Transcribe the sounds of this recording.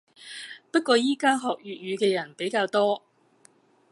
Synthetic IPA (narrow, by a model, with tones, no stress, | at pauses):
pɐ˥t̚kːɔː˧jiː˥kaː˥ɦɔː˨k̚jyː˨t̚jyː˨˧kɛː˧jɐ˨˩npe˨˥jkaː˧wt̪ɔː˥